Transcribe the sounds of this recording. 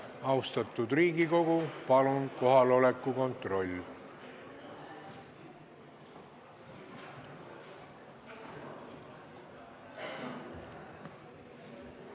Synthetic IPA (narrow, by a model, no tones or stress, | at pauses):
ɑwst̪ɑt̪ːˑud̪riːɡiko̞ɡ̥upɑlunko̞ɦɑlo̞lekːˑuko̞nt̪ˑro̞lʲː